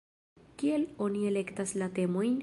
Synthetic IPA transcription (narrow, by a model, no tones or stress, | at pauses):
kie̞lo̞nie̞le̞ktaslate̞mo̞jn